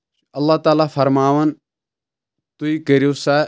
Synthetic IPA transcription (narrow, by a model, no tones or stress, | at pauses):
ɐlːaːt̪aːlaːfʰɐɾmaːʋən | t̪uikəɾosa